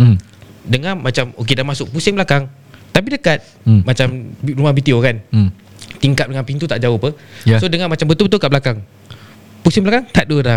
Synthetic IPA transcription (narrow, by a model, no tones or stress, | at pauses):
m | dəŋamat͡ʃamok̬edamasʊk̚pusɪŋbəlakaŋ | t̪ap̬idəkat̪̚ | mat͡ʃamrumahbit̪iokan | t̪iŋkap̚dəŋanpint̪ut̪aʔd͡ʒaopəsodəŋanmat͡ʃambət̪ʊlbət̪ʊlkaʔblakaŋ | pusɪŋbəlakaŋt̪aʔ̪̚duəda